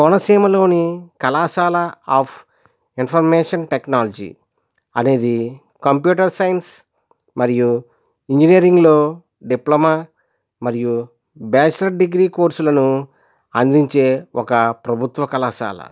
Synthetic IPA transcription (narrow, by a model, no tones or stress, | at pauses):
kɔnɐsiːmɐlo̞ːnikɐlaːʃaːlɐaːpʰ | inpʰɐɾmeːʂɐnʈeknaːlɐd͡ʒḭ | ɐne̞ːd̪i | kɐmpjuːʈɐɾsɐjns | mɐɾiju | iɲd͡ʒinijɐɾiŋɡloː | ɖiplɐmaː | mɐɾiju | bɛːt͡ʃlɐʈ̚ɖiɡɾiːkoːɾsulɐnu | ɐnd̪iɲt͡ʃe̞ːɔkɐpɾɐbʱut̪ʋɐkɐlaːʃa̰ːlɐ̰